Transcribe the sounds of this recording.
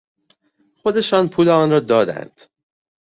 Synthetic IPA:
xo̞d̪e̞ʃɒːnpʰuːleɒːnɾɒːd̪ɒːd̪æ̰nd̪̥

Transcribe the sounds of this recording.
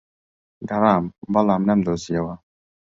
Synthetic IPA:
ɡaɾambalamnamd̪osiawa

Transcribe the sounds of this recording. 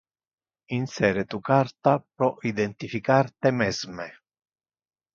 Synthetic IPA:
insɛːɾet̪ukart̪apɾɔʔid̪ɛnt̪ifikart̪ɛmɛzmɛ

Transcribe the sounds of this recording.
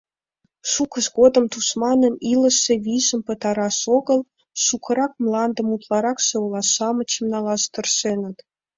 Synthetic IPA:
ʃukə̆ʃɡod̪ə̆mt̪usmɑnə̆nilə̆ʃevʲiʒə̆mpə̆t̪ɑɾɑʃoɡə̆lˠ | ʃukʰɤ̆ɾɑk̚mlˠɑnd̪ə̆mut̪lˠɑɾɑksɤwlˠɑsɑmə̆t͡ɕəmnɑlˠɑst̪ə̆rʃenə̆t̪

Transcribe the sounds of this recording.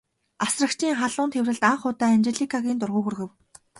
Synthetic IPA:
asrə̆kt͡ɕʰiːŋχaɮʊːnt̪ʰewrɘ̆ɮt̪aɴχʊːt̪aːnt͡ɕeɮikʰaɣʲiːnt̪ʊrʁʊːɣɵ̆rɣɘ̆w

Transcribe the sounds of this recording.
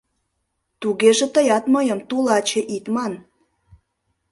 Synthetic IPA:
t̪uɣeʒĕt̪əjɑt̪məjəmt̪ulɑt͡ɕeʔit̪mɑn

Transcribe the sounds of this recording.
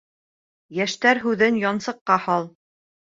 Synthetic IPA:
jæʃt̪æɾɦʉðɘnjɑnsɤ̆qːɑhɑlˠ

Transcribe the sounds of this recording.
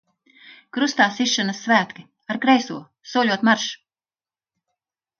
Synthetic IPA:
kɾust̪aːsiʃːanɐsːvæːt̪ki | aɾkɾɛjsuɔ | suɔlʲuɔt̪maɾʃ

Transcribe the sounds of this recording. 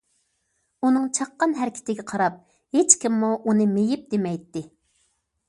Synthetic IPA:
unɨŋt͡ʃʰɑqːɑnɦæɾɪkʲʰɪ̥t̪ɪɡʲɛqʰɑɾɑp̚ | het͡ʃkʲimːuʔunɨmejip̚d̪emɛjt̪ːɪ

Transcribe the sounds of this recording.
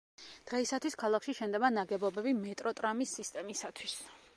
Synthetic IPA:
d̪̥ʁɛisat̪ʰwiskʰalˠakʰʃiʃɛnd̪ɛbanaɡɛbɔbɛbimɛt̪ʼɾɔt̪ʼɾamisːist̪ʼɛmisat̪ʰwis

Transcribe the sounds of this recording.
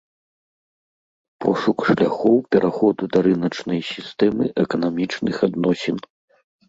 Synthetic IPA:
pʰɔʂukʂlʲaxɔwpʲɛɾʔaxɔd̪ud̪ɐɾɨnɐt͡ʂnɐjsʲist̪ɛmɨʔɛkɐnamʲit͡ʂnɨxad̪nɔsʲɛn

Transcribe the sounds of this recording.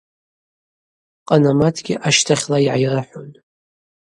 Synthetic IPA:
qʼɑnamatʰɡʲɪʔaʃtʰaχʲlajʕajraħʊn

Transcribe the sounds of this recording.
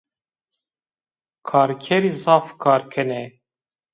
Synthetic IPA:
kʰɑːɾkʲʰɛɾiːzɑːfkʰɑːɾkʰɛnɛ

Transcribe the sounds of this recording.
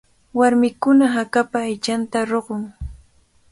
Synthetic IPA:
waɾmɪkʊnaɦakapaːjt͡ʃant̪aɾoɢoŋ

